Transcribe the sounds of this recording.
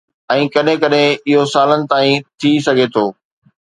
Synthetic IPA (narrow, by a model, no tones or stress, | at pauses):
ɛ̃ːkɐɗɦẽkɐɗẽɪɦosaːlənɪ̆t̪aːĩt̪ʰisɐɡʱet̪ʰoː